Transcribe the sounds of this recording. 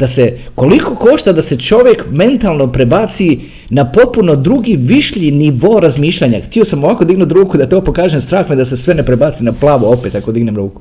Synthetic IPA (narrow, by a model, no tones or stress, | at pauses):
d̪̥ase̞ko̞liko̞ko̞ʃt̪ad̪ase̞t͡ʃo̞ʋje̞kme̞nt̪alˠno̞pɾe̞bat̪si | napo̞t̪̚puno̞d̪ɾuɡiʋiʃʎiniʋo̞ɾazmiːʃʎaɲakt̪iosamoʋako̞d̪iɡnut̪ɾuːkud̪at̪o̞ːpo̞kaːʒemst̪ɾaːxmed̪ase̞sʋe̞ne̞pɾebat̪sinaplˠaːʋoo̞pet̪akod̪iɡnemɾuːku̥